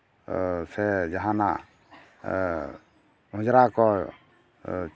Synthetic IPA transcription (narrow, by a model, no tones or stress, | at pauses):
sɛd͡ʒaɦãnaʔ | ɦũd͡ʒɾakɔ | t͡ʃ